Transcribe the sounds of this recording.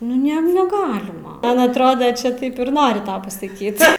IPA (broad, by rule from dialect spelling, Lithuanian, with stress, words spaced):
ˈnʊ ˈnʲɛ nʲɛˈɡɑːlʲɪmɐ ˈmɐn ɐtˈroːdɐ t͡ʃʲɛ ˈtɐɪp ɪr ˈnoːrʲɪ ˈtɐʊ pɐsɐˈkʲiːt